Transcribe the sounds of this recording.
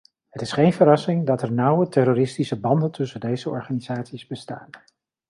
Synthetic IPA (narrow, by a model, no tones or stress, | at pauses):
ɦətɪsχejnvəɾɑsɪŋdɑtɛɹnʌwətɛrorɪstisəbɑndəntʰɵsəndejzəɔ̰ɹχaːniz̥aːtsizbəsta̰ːn